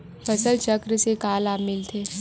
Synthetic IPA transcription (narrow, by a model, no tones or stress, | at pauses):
fɐsəlt͡ʃəkɾsekaːlaːmɪlt̪ʰeː